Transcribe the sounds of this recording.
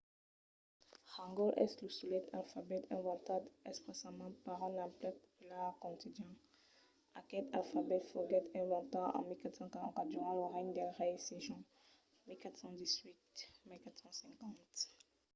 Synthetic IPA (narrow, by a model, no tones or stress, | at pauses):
ʁɑ̃ŋɡɔlʔɛ̰sləsulɛt̪ʰalfabɛt̪ɛ̃vɑ̃t̪ad̪ɛspesamɑ̃paʁɛ̃nɛ̃plɛpɔ̥pylɛʁkɔ̃t̪id̪jɛ̃ | akɛt̪alfabɛt̪fəɡɛt̪ɛ̃vɑ̃t̪ɑ̃ɑ̰̃milkat̪sɑ̃kaʁɑ̃kãd̪yʁɑ̃loʁɛɲd̪ɛʁɛjseʒɔ̃ | milkat̪sɑ̃d̪izwit̪milkat̪sɑ̃sɛ̃ŋkɑ̃t̪